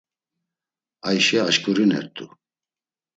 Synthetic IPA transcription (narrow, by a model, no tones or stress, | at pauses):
ajʃɛaʃkʰʼuɾinɛ̰ɾt̪ʰʼu